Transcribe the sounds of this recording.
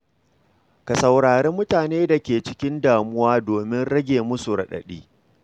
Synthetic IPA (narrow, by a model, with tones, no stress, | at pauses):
ka˨sɐ˨wɽaː˨ɾeː˦mːʊ˦taː˨neː˦da˨kʲeː˨t͡ʃɪ˦kʲɪ˦ndaː˨mʊ˦waː˦doː˨mɪ˦nɽɐ˦ɡʲeː˨mʊ˦su˨ɽɐ̰˨ɗɐ̰˨ɗḭː˦